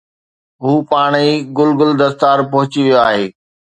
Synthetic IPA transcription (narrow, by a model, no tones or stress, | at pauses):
ɦuːpaːɽ̃iɡʊlɡʊld̪ɐst̪aːɾpɐɦʊt͡ɕiʋijoaːɦeː